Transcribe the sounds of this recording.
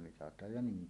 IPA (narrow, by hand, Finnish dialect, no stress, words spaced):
mitɑtˑɑːj jɑ niːn